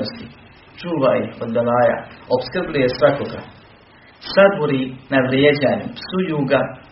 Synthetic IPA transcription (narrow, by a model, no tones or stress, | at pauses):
ost̪i | t͡ʃuːʋajiod̪d̪alaːja̰opskrblujesʋakoɡa̰ | sad̪boɾinaʋɾjed͡ʑaːɲupsujuːɡa